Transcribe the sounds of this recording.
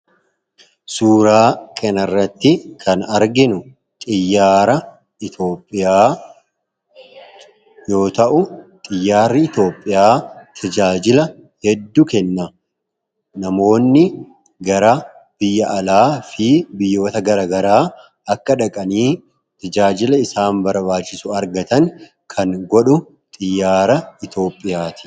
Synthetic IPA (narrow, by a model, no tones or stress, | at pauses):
suːɾaːkʰɐnɐrːɐt̪ːɪkʰɐnɐɾɡɪnʊ | t̪ʼɪjːaːɾɐ | ɪt̪o̞ːpʼːɪjaː | jo̞ːt̪ɐʔʊt̪ʼɪjːaːɾːɪɪt̪o̞ːpʼːɪjaːt̪ʰɐd͡ʒaːd͡ʒɪlɐ | hɛd̪ːʊkɛnːa | nɐmo̞ːnːɪ | ɡɐɾɐ | b̥ɪjːɐʔːlaːfɪbɪjːo̞ːt̪ɐɡɐɾaːɡɐɾaː | ɐkːɐᶑɐkʼɐniː | t̪ɐd͡ʒaːd͡ʒɪlɐɪsaːmbɐɾbaːt͡ʃːɪsʊɐɾɡɐt̪ɐŋ | kʰɐŋɡɔᶑʊ | t̪ʼɪjːaːɾɐɪt̪o̞ːpʼːɪjaːt̪ɪ̥